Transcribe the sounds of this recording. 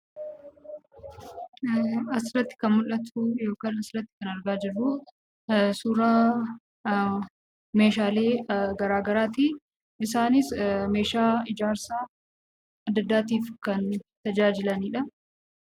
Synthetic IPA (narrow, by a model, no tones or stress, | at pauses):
ɐsɪrɐt̪ːɪ̥kɐnmʊlʔɐt̪ʰujo̞ːkaːnɐsɾɐt̪ːɪ̥kɐnɐɾɡaːd͡ʒɪrːʊ | suːɾa | me̞ːʃaːleːɡɐɾaːɡɐɾaːt̪iː | ɪsaːnɪsme̞ːʃaːɪd͡ʒaːɾsaː | ɐd̪ːɐd̪ːaːt̪iːfkɐnt̪ɐd͡ʒaːd͡ʒɪlɐniːᶑɐ